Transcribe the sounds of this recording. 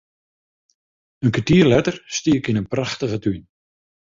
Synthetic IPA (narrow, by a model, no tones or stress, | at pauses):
ənkʰatiərlɛtərstiəkinənpraxtəɣətyn